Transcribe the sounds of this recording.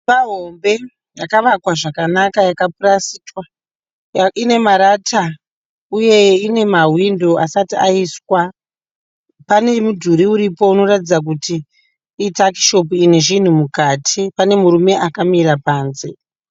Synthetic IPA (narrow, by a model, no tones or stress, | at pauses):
aɦombe̞ | jakaʋakwaʐakanakajakapuɾasiːtwa | ine̞maɾatʰa | uje̞ine̞maɦwindo̞ʔasatiaiswa | pane̞mudʱuɾiuɾipo̞uno̞ratid͡zak̬utiː | taki̥ʃo̞p̬uine̞ʐin̤umukatʰipane̞muɾume̞ʔakamiɾapaːnze̞